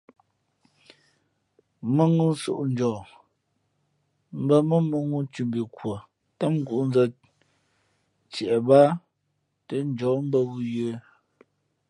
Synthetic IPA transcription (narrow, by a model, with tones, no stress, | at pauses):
mə˦ŋu˦n̩˦so̰˨ʔn̩˦d͡ʒɔː˨ | m̩˦bə˦mə˦mə˦ŋu˦tu˨mbi˨kwo˨ | ta˦ŋ̩˦ɡu˨ʔn˦zə˦ | t͡sjɛ˨ʔɛ˨ba˦ | tə˦n˦d͡ʒɔː˨˦m̩˦bə˦ɣu˦jə˨˦